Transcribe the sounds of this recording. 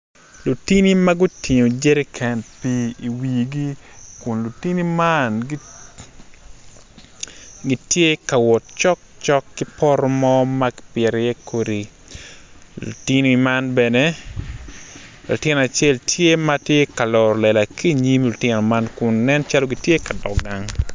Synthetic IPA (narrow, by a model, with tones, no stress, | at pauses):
lu˨ti˦ni˦ma˦ɡu˦tʰi˨ɲo˨d͡ʒe˦ɾi˦kʰɛ˨npi˦i˨wi˨ɡi˦kʊ˨nlu˨ti˦ni˦manɡi˦ | ɡi˦tje˦ka˨wɔ˨t̚t͡ʃɔ˦k̚t͡ʃɔ˦kːi˦pɔ˦ɾɔ˦mɔ˦ma˦kpjɛ˨ɾje˦kʰo˨di˨ | lṵ˨ti˦ni˦i˦ma˦nbɛ˨ne | lṵ˨tɪ˦n˨a˨t͡ʃe˦ltʰje˦ma˦tje˦ka˨lɔ˨ɾɔ˨lɛ˨la˨ki˦˨ɲi˦mlʊ˨tɪno˨ma˦nkʊ˨nːɛ˦nt͡ʃa˦loɡitje˦ka˨dɔ̰˨k̚ɡa˨ŋ